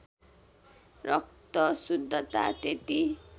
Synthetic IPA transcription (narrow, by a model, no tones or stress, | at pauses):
rʌk̚t̪ʌsud̪ʱːʌt̪a̰t̪et̪i